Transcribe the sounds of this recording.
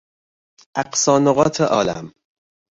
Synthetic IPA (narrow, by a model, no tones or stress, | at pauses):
ʔæqsɒːnoɣɒːt̪ʰeʔɒːlæ̰m